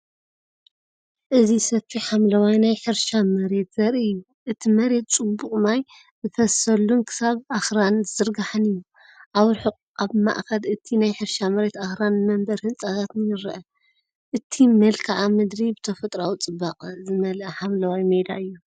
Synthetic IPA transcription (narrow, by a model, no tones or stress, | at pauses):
ʔɨzisɐfiħamlɐwajnajħɨɾʃamɐɾe̞t̪z̥ɐɾɨjːu | ʔɨt̪ʰimɐɾe̞t̪̚t͡sʼɨbuqʼmaj | zɨfɐsɐlːunkʰɨ̥saβʔaxɾanzzɨɾɡaħɨnɨjːu | ʔaβɾħuqʼ | aβma̰ʔkɐlɨt̪ʰinajħɨɾʃamɐɾe̞t̪axɾanmɐmbɐɾhɨnt͡sʼaɣat̪nɨjɨɾʔɐ | ʔɨt̪ʰimɐlkʰaʕamɨd̪ɾibɨt̪ʰɐfɐt̪ʼɾawt͡sʼɨbːaqʼzɨmɐlɐħamlɐwajmed̪a̰ɨjːu